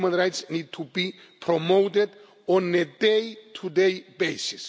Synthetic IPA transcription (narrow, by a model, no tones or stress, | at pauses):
mə̃nɹajtsnid̚tʰubi | pʰɾɔmowtɛd | ɔ̃nedejtʰudejbejsis